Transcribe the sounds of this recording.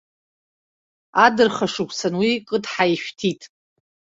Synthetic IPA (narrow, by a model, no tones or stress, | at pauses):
adɨrχaʂɨkʷʰʼsanwikʼɨdħaiʃᶣtʰitʼ